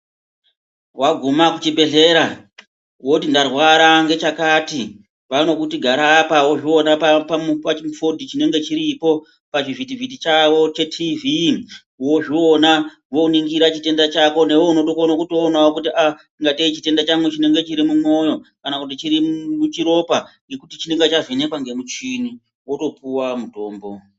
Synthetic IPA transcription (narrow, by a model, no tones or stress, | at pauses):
waɡʱumakut͡ʃibʱe̞ɮe̞ːɾa | wo̞tindarwaɾaŋɡe̞t͡ʃakaːti | ʋano̞kutiɡʱaɾaːpawo̞ʐio̞napapaupat͡ʃmfodʱit͡ʃine̞ŋɡe̞t͡ʃiɾipo̞ | pat͡ʃiʐitivitit͡ʃaʋo̞t͡ʃe̞tʰivi | wo̞ʐio̞na | ʋo̞niŋɡiɾat͡ʃite̞ndat͡ʃako̞ne̞wouno̞to̞konokuto̞ːnawokutia | iŋɡateit͡ʃite̞ndat͡ʃaŋɡut͡ʃine̞ŋɡe̞t͡ʃiɾimumo̞jo̞kanakut̬it͡ʃiɾimut͡ʃiɾo̞paŋɡe̞kutit͡ʃine̞ŋɡet͡ʃazine̞kwaŋɡe̞mut͡ʃini | wo̞to̞puwamuto̞ːmbo̞